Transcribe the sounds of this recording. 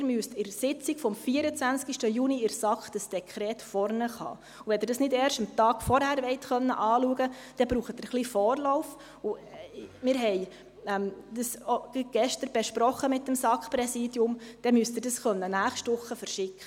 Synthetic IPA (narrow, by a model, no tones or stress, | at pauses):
ɪɾmyəstɪɾsɪt͡sikfɔmfiːəɾət͡sʋænt͡skiʃtəjuːniɪɾsɑkχd̥əsd̥ɛkʰɾɛːtfɔrnəχɑ̰ː | uʋɛd̪ɪɾdɑsnɪdɛːrʃəmt̪ɑːɡ̥fɔɾhæɾʋɛɪtχœnːə̰ʔɑːluəɡəd̥ɛbɾuːχət̪əɾχlifɔːrlɔʊf | umɪːɾɦɛɪ | ɛmd̪̥əsoɡ̥ɛʃtəɾb̥ɛʃpɾɔχːəmɪt̚dəmsɑkχpɾɛsiːdjʊmd̥ɛmyəst̪ɪrdɑsχœnːənæːχʃtʊχːəfəɾʃɪkχə